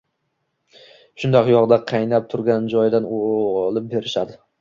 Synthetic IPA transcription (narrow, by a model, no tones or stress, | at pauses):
ʃʊnd̪ɒqjɒʁd̪aqʰɑjnap̚t̪ʰʊɾɡʲand͡ʒɒjd̪anoʁlˠɪp̚be̞ɾɪʃad̪ɪ